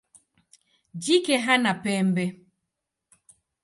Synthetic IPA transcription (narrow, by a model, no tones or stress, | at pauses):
d͡ʒikɛɦanapɛːmbɛ